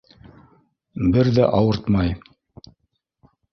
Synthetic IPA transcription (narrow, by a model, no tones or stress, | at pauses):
bɘɾðæʔɑwɤɾt̪mɑj